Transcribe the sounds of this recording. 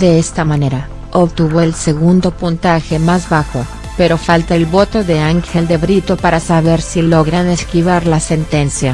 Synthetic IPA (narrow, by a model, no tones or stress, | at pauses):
de̞est̪amane̞ɾa | opt̪uβo̞else̞ɣund̪o̞punt̪axe̞mazβaxo̞ | pe̞ɾo̞falt̪aelβo̞t̪o̞ðe̞aŋxe̞ld̪e̞βɾit̪o̞paɾasaβeɾsilo̞ɣɾane̞skiβaɾlase̞nt̪e̞nsja